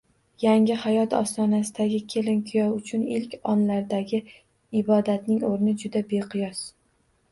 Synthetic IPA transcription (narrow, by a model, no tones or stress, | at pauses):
jaŋʲɪhajɒt̪ʰɒ̰st̪ɒnasɪd̪aɡʲɪkʲʰe̞lɪnkʰʊjɒwʊt͡ʃʰʊnɪlkʲɒnlaɾd̪aɡʲɪ | ɪbɒd̪at̪nɪŋoɾnɪd͡ʒʊd̪abe̞qʰɨjɒs